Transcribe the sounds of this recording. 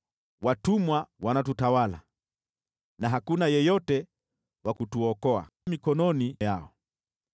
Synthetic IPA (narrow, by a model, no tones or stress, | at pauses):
watumwawanatutawala̰ | naɦakunajɛjɔtɛ | wakutuɔkɔa̰ | mikɔnɔnijaɔ